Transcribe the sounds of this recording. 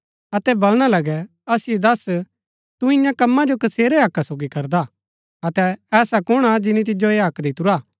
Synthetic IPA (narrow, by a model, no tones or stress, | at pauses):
ɐt̪ɛbɐlɽ̃alɐɡɛ | ɐsɪjed̪ɐs | t̪uɪ̃jãkɐmːãd͡ʒokɐseːɾɛɦɐkːasoːɡikɐɾd̪a | ɐt̪ɛːsakʊɽ̃ad͡ʒɪnĩt̪̬ɪd͡ʒoeɦɐkd̪ɪt̪ʊɾaː